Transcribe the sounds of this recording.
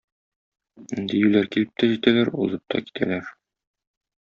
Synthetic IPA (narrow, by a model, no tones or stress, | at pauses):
nd̪ijʉlæɾkilɘp̚t̪æʑit̪ælæɾulˠɤp̚t̪ʰɒ̰ki̥t̪ʰæ̰læɾ